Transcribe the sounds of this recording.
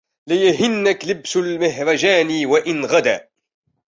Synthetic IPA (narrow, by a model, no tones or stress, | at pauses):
lɪjaɦɪnːaklɪbsalmɪɦɾˤɑd͡ʒaːniwaʔɪnɣad̪a̰ː